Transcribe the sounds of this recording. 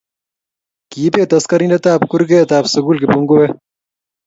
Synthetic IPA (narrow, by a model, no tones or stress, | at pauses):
kiːpeːt̪ɐskɐɾinɐt̪aːpkuɾkeːt̪aːpsɐɡuːlkepuŋɡoweː